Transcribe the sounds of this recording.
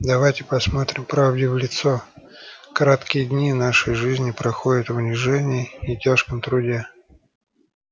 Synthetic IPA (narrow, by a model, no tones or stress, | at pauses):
d̪ɐvajtʲɪpɐsmo̞t̪ɾʲɪmpɾavdʲɪvlʲɪt̪so | kɐɾat̪kʲɪjəd̪ʲnʲinaʂəjʐɨzʲnʲɪpɾɐxodʲɪt̪vʊnʲɪʐɛnʲɪːtʲaʂkəmt̪ɾʊdʲe